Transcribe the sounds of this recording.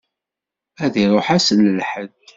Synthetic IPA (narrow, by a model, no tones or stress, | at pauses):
æðiɾˤoħæsənːəlħəð